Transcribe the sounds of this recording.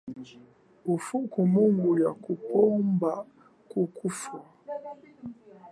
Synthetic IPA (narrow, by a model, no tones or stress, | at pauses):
ufukumoŋɡujakupɔmba | kukufa